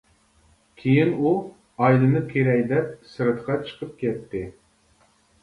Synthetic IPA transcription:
kʲʰejinu | ɑjd̪ɨnɨkʲʰeɾɛkʲd̪ɛp̚sɨɾɨt̪qʰɑt͡ʃʰə̥qʰəp̚kʲʰɛt̪ːɪ

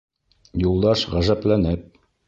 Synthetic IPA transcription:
julˠd̪ɑʃʁæzæplænɘp̚

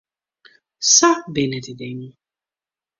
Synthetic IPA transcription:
sabenɛdidɛɲũ

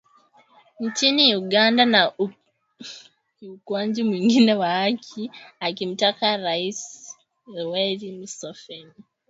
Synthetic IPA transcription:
nicinijuɡaːndana | ukwaːɲɟimwiːŋɡinewahakʰiakimutakaɾais | weɾimusofeni

